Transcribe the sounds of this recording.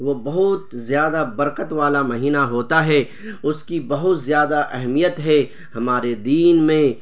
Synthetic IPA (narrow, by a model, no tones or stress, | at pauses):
ʋobɐɦʊt̪zjaːd̪abɐɾkət̪ʋaːlamɐɦiːnaɦoːt̪aɦɛ | ʊskibɐɦʊt̪zjaːd̪aʔɛɦmijət̪ɦɛ | hɐmaːɾed̪iːnmẽ